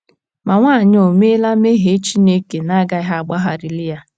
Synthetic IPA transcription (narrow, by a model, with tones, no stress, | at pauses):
ma˨ŋʷaː˦˨ɲ˦o˨me˦la˦me˦ɦe˨˦t͡ʃi˦ne˦ke˨na˦ɡa˦i˦ɦa˦a˨ɡ͡ba˦ɦa˨ɾɪ˨lɪ˦ja˦